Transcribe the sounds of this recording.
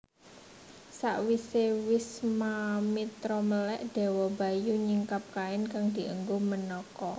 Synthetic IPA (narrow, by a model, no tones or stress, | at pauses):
saʔwisewɪsmamit̪ɾɔməlɛʔd̪̥ɛ̤wɔba̤juɲiŋkap̚kaɪnkaŋd̪̥i̤ʔəŋɡomənɔkɔ